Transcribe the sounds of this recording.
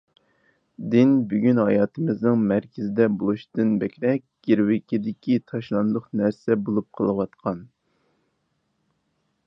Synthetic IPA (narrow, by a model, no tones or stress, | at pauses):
d̪ɪnbyɡʲynhɑjɑːt̪ʰɨmɪznɨŋmæɾkʲʰɪzɪd̪ɛbolˠuʃd̪ɨnbɛkʲɾɛk̚ʲɡ̥ʲiɾwɪkʲid̪ɪkʲit̪ʰɑʃlˠɑnd̪ʊχnæɾsɛbolˠup̚qʰəlˠɨwɑt̪qʰɑn